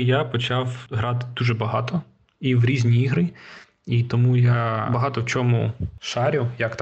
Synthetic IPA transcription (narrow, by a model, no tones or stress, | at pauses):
japɔt͡ʃɑwɦɾɑt̪ɪ̥d̪uʒɛbɐɦɑt̪ɔ | iwɾʲizʲnʲiiɦɾɨ | it̪ɔmujabɐɦɑt̪ɔwt͡ʃɔmuʃɑɾʲʊjɐkt̪